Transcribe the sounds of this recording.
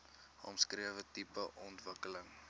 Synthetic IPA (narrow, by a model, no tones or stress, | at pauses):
ɔ̰mskriəvətipəʔɔntvəkələŋ